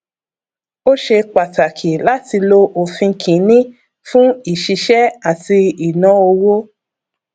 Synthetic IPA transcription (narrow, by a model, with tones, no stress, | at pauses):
o˦ʃe˧k͡pa˨ta˨kʰi˨la˦ti˧lo˧ʔo˨fĩ˧kʰĩ˨˦nĩ˦ | fũ˦i˦˨ʃi˧ʃɛ˦a˦˨ti˧i˨nã˨˦o˧wo˦